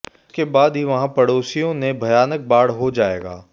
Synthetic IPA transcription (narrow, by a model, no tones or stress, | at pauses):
kebaːd̪ɦiʋɐɦãpɐɽoːsijõnebʱɐjaːnək̚baːɽɦod͡ʒaːḛːɡa̰ː